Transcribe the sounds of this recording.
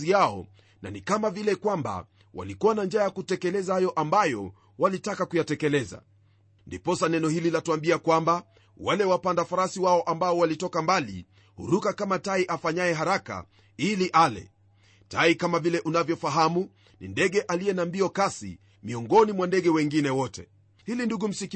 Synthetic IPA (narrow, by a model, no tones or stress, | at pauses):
iaɔ̰ | na̰nikamavilɛkwamba̰ | wa̰likuwanand͡ʒaːjakutɛkɛlɛzahajɔʔambajɔ | walitakakujatɛkɛlɛza̰ | ndipɔsanɛnɔhililatuambiakwamba | walɛwapandafaɾasiwaɔʔambaɔwalitɔkambalḭ | hṵɾukakamataiʔafaɲajɛɦaɾaka̰ | iliʔalɛ̰ | taikamavilɛʔunavjɔfaɦamu | nḭndɛɠɛʔaliɛnambiɔkasḭ | miɔŋɡɔnimwandɛɡɛwɛŋɡinɛwɔtɛ | hilinduɡum̩sik